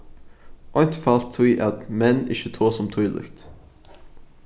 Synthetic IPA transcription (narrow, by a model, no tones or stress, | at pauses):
ʔɔʏnt̪ʰfɑlt̪ʰːwiːʔɑt̪mɛnɪ̰çət̪ʰoːsɔmt̪ʰuːlʏ̰kt̪